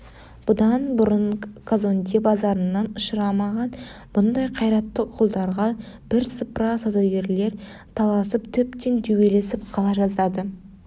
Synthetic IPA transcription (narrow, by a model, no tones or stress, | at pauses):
b̥ʊd̪ɑnbʊɾəɴkʰazond̪ebɑzɑɾənːɑnʊʃəɾɑmɑʁɑn | b̥ʊnd̪ɑjqʰɑjɾɑt̪ːəqʰʊlˠd̪ɑɾʁɑ | b̥ɪɾsəpɾɑsad̪ɑwɡʲe̞ɾle̞ɾ | t̪ʰɑlˠɑsəpt̪ʰʏpt̪e̞nt̪ʰɵwe̞le̞sɪp̚qʰɑlˠɑʒɑzɑd̪ə